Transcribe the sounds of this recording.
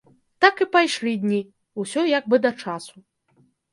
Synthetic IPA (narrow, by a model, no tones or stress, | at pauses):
t̪akipajʂlʲid̪ʲnʲi | usʲɔjaɡ̚bɨd̪ɐt͡ʂasu